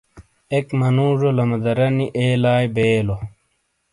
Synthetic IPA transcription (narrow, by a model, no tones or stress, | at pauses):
ekmɐnũːʐolɐmɐd̪ɐɾɐniʔeːlaːjbeːlo